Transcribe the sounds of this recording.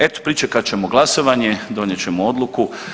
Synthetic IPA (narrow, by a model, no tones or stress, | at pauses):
et̪o̥pɾit͡ʃekat͡ɕe̞moɡlˠaso̞ʋaɲe̞d̪o̞ɲjet͡ɕe̞mood̪lˠuku